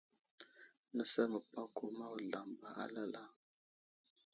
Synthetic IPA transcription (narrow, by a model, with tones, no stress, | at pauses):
nə˦sa˦mə˨pa˦ko˦ma˦wə˨ɮa˨mba˨a̰˦la˦la˦